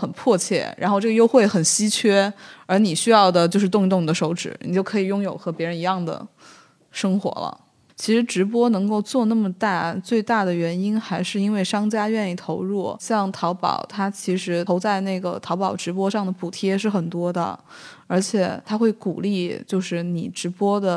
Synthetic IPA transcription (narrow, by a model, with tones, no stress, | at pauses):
xə˨˩npʰwɔ˥˧t͡ɕʰjɛ̰˥˩ɻa̰˧˥nxo˥˧ʊʈ͡ʂɤ˥˩ə˧jo˥ʊxwe˥˩ɪxə˨˩nɕi˥t͡ɕʰɥɛ˥ə˞˧˥ni˨˩ɕy˥jɑ˥˩ʊd̪ə˩t͡ɕjo˥˧ʊʂɻ̩˥˧t̪̬ʊ˥˧ŋi˥t̪ʊ˥˩ŋn˩ə˦ʂo˧˥ʊʈ͡ʂɻ̩˨˩˥ni˨˩t͡ɕjo˥˩ʊkʰɤ˧˥i˨˩jʊ˥ŋjo˨˩ʊxɤ˧˥pjɛ˧˥ɻə˧˥ni˧˥jɑ˥˩ŋd̪ə̰˩ | ʂɤ˥ŋxwɔ̰˧˥lə̰˧ | t͡ɕʰi˧˥ʂɻ̩˧˥ʈ͡ʂɻ̩˧˥p̬wɔ˥nɤ˧˥ŋko˥˧ʊt͡swɔ˥˧na˥˩mə˩t̪a˥˩t͡swe˥˧ɪt̪a˥˩d̪ə˩ɥɛ˧˥ni˥nxa˧˥ɪʂɻ̩˥˩i˥nwe˥˩ɪʂɑ˥ŋt͡ɕja˥ɥɛ˥˧ni˥˩t̪ʰo˧˥ʊɻu˥˩ɕjɑ˥˩ŋt̪ʰɑ˧˥ʊpɑ̰˨˩˦ʊt̪ʰa˥t͡ɕʰi˧˥ʂɻ̩ʰ˧˥o˧˥ʊt͡sa˥˧ɪne˥˩ɪɡə̰˩t̪ʰɑ˧˥ʊpɑ˨˩ʊʈ͡ʂɻ̩˧˥p̬wɔ˥ʂɑ˥˩ŋd̪ə˩pu˨˩t̪ʰjɛ˥ʂɻ̩˥˩xə˨˩nt̪wɔ˥d̪ə̰˨ə˞˧˥t͡ɕʰjɛ̰˨˩t̪ʰa˥xwe˥˩ɪku˨˩li˥˩t͡ɕjo˥˧ʊʂɻ̩˥˩ni˨˩ʈ͡ʂɻ̩˧˥pwɔ˥d̪ə˨